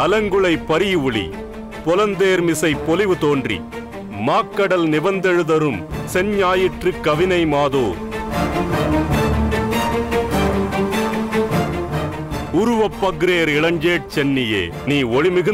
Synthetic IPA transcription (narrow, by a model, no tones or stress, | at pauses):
ɐlɐŋɡɯɭɐɪpːɐɾɪjʊɭḭ | pɔlɐnd̪eːɾmɪsɐɪpːɔlɪʋɯt̪oːndrḭ | maːkːɐɽɐlnɪbɐnd̪ɛɻɯðɐɾɯmsɛnɲaːjɪʈrɯkːɐʋɪnɐɪmaːðoːɾ | ʊɾʊʋɐpːɐɣɾeːɾɪɭɐɲd͡ʒeːʈ̚t͡ʃɛnːɪjḛː | niːɔɻɪmɪɣɯ